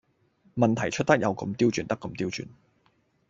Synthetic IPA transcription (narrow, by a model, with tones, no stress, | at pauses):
mɐ˨nt̪ʰɐ˨˩jt͡ʃʰɵ˥t̚t̪ɐ˥k̚jɐ˨˧wkɐ̰˨˧mt̪iː˥wt͡ʃyː˨˧nt̪ɐ˥kːɐ˨˧˥mt̪iː˥wt͡ʃy̰ː˨n